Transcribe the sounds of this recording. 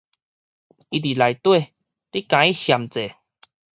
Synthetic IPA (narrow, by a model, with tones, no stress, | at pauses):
i˧t̪̬i˨˩la˨˧jt̪we˥˧˨ | li˦kã˨˧˦i˦hja˨˩mt͡se˨